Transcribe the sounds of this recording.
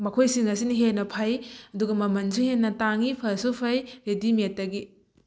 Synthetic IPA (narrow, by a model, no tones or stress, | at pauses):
mɐkʰojsiŋɐsiniɦenːɐpʰajɐduɡɐmɐmɐnsuhenːɐtaŋipʰɐsupʰɐjɾedimetːɐɡi